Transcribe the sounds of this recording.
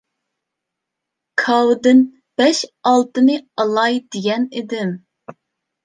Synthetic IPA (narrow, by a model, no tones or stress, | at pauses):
kʰɑwd̪ɨn | b̥ɛʃɑlˠt̪ɨnɨɑlˠɑjd̪̥ɪɡʲɛnɪd̪ɪm